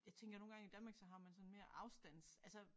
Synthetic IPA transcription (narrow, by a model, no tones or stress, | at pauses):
jɑ̈ɪt͡sʰeŋ̰ɡ̥ɐno̝ːnɡ̥ɑ̈ŋid̥ænmɑɡ̥sɒ̽ɦɑ̈mænsɒ̽n̩me̝ːɐʔɑ̈ʊsd̥æn̰sælsə